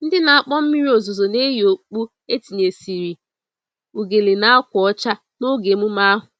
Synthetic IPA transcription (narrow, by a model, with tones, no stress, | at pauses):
n̩˦dɪ˦na˨a˨k͡pɔ˦m̩˦mi˦ɾi˦o˨zo˨zo˨ne˦ɦo˨k͡pu˦ | e˦ti˨ɲe˨si˨ɾi˨ | u˨ɡe˨le˨na˦kʷɔ˦t͡ʃa˦ | no˦ɡe˨mu˦ma˦ɦʊ˨